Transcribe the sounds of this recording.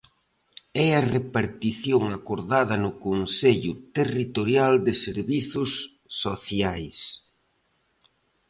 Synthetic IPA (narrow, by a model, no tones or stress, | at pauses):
ɛɐrepaɾt̪iθjoŋakoɾðaðɐnʊkonseʎʊt̪erit̪oɾjald̪ɪseɾβiθʊsː | oθjajs